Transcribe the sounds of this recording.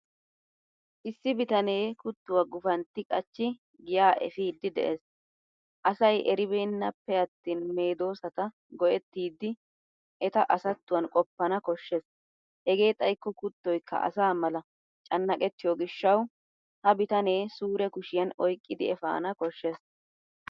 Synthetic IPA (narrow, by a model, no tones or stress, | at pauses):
ʔɪsːɪbɪt̪ɐne̞ːkʊt̪ːʊwɐɡʊfɐnt̪ːɪkʼɐt͡ʃːɪ | ɡɪjaːʔɛ̰fiːd̪ːɪd̪ɛ̰ʔeːs | ʔɐsɐjʔɛɾɪbeːnːɐpːɛɐt̪ːiːnme̞ːd̪o̞ːsɐt̪ɐ | ɡɔʔɛt̪ːiːd̪ːɪ | ʔɛt̪ɐʔɐsɐt̪ːʊwɐnkʼɔpːɐnɐkɔʃːes | hɛɡe̞ːt̪ʼɐjkːɔkʊt̪ːɔjkːɐ̰ʔɐ̰saːmɐlɐ | t͡ʃʼɐnːɐkʼɛt̪ːɪjoɡɪʃːɐw | hɐbɪt̪ɐne̞ːsuːɾɛkʊʃɪjɐnɔjkʼːɪd̪ɪɛfa̰ːnɐkɔʃːes